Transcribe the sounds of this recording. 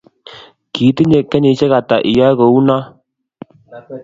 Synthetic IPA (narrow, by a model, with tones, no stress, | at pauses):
kiː˨˦ti˦ɲe˨kːɛ˦ɲi˨˦ʃe˦ka˨ta˨ʔi˨ja˦ɣo˨u˦na˦